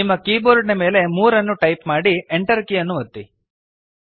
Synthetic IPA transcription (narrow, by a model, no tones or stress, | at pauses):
imːɐkiːboːɾɖneme̞ːle̞muːɾɐnːuʈɐjpmaːɽieɳʈɐɾkijɐnːuʋɐt̪ːi